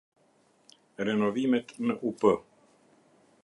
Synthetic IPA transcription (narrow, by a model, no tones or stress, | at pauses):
ɾenovimɛt̪nəʔupə